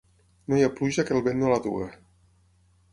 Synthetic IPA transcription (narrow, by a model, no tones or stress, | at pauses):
nojapluʒakelˠβenolaðṵə